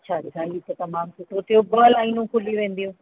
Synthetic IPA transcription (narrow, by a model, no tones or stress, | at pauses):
ɐt͡ɕʰaːdɪkʰaːit̪ɐt̪ɐmaːmt͡ʃʊʈʰot̪ʰijobɐlaːinũkʰʊliʋẽːn̆d̪ijũ